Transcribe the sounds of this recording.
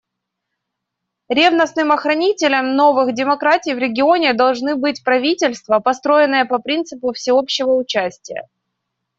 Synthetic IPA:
ɾʲevnəsnɨmɐxɾɐnʲitʲɪlʲəmno̞vɨxdʲɪmɐkɾatʲɪjvɾʲɪɡʲɪo̞nʲɪd̪ɐlˠʐnɨbɨtʲpɾɐvʲitʲɪlʲst̪vəpɐst̪ɾo̞ɪnːɨjəpɐpɾʲint̪sɨpʊfsʲɪo̞pɕːɪvəʊt͡ɕæsʲtʲɪjə̰

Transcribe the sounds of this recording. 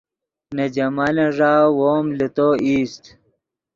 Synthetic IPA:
ned͡ʑɐmalẽʐaːwoːmlet̪oːʔiːst̪

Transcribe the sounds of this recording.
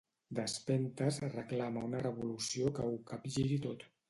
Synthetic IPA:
d̪əspɛnt̪əzrəklaməunərəβulusiokəukapʒiɾit̪ot̪

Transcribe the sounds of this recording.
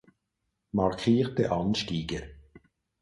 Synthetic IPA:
mɑʁkʰiːʁtəʔɑnʃtiːɡə

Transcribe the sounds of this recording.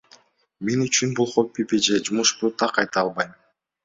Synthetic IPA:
menyt͡ʃynbulˠχopʲːipid͡ʒed͡ʒumuʃbut̪ʰɑqɑjt̪ɑɑlˠbɑjm

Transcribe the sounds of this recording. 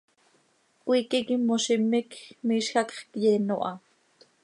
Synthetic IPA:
kʷiːkikimoʃimɪkmiːʃxɑkχkjɛːno̰ʔɑ

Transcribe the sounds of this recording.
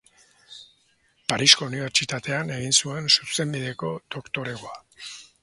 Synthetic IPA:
paɾisko̞uniβ̞e̞ɾt͡ʃit̪at̪e̞ane̞ɣinsue̞nsuse̞mbiðe̞ko̞d̪o̞kt̪o̞ɾe̞ɣo̞a

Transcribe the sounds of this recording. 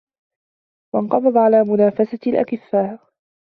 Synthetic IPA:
wɑnqɑbɑd̪ˤʕalaːmʊnaːfasalʔa̰kɪfːaːɾ

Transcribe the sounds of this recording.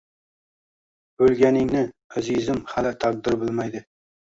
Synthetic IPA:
bɵlɡʲanɪŋnɪæzizɪmhalɪt̪ʰaq̚d̪ɪɾbɪlˠmajd̪ɪ

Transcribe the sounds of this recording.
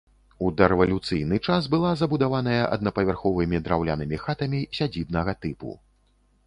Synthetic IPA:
ud̪ɛɾɛvɐlʲut̪sɨjn̪ɨt͡ʂas̬bɨlˠazɐbud̪avan̪ɐjɐʔɐ̰d̪̚nɐpɐvʲarxɔvɨmʲid̪ɾawlʲa̰nɨmʲixat̪ɐmʲisʲad͡zʲibnɐɣɐt̪ɨpṵ

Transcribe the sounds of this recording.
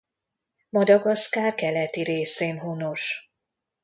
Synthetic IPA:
mɒd̪ɒɡɒskaːrkɛlɛt̪iɾeːseːnɦono̞ʃ

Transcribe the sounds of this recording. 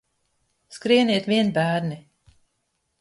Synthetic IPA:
skɾiɛniɛt̪viɛnbæːɾni

